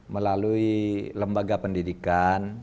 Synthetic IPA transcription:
məlaluiləmbaɡapəndidikan

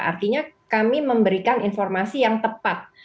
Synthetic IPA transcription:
ʔa̰rt̪iɲakamiməmbəɾikaninfɔrmasijaŋt̪əpat̪̚

